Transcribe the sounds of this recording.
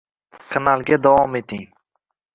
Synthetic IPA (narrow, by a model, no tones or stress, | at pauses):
kʰanalˠɡʲad̪avɒmet̪ʰiŋ